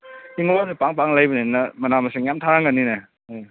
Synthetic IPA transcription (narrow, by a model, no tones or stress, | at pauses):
iŋlɔnipaŋpaŋlajbɯninamɐnamaseŋjamtʰaɾaŋɡanːina | j